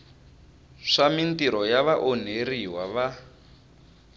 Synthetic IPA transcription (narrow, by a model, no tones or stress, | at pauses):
ʂamintiɾɔjaβaʔɔn̤eriwaβa